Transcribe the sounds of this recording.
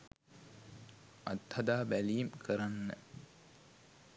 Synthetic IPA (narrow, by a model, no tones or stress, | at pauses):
ʔɐt̪hɐd̪aːbæliːmkʰəɾanːə